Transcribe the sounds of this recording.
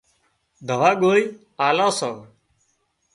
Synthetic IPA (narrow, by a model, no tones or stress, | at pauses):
d̪ʱəʋaːɠoːi | aːlãːsə